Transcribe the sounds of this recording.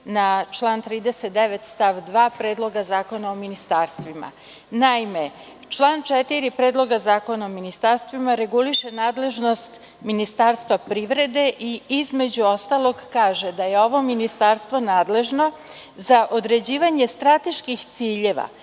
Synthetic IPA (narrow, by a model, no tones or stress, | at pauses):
nat͡ʃlˠaːnt̪ɾiːd̪eset̪̚d̪eʋet̪st̪aʋd̪ʋaːpɾeːd̪lˠo̞ɡazaːko̞naominist̪aːɾst̪ʋima̰ | naime | t͡ʃlˠaːnt͡ʃɛt̪iɾipɾeːd̪lˠo̞ɡazaːko̞naominist̪aɾst̪ʋimaɾe̞ɡuliʃenaːd̪le̞ʒno̞st̪ | minist̪aːɾst̪ʋapɾiːʋɾe̞d̪e̞ʔiizme̞d͡ʑuo̞st̪alˠo̞ɡkaːʒed̪aje̞o̞ʋo̞minist̪aːɾst̪ʋo̞naːd̪le̞ʒno̞ | zaʔo̞d̪ɾe̞d͡ʑiːʋaɲe̞st̪ɾat̪eʃkixt̪siːʎeʋa̰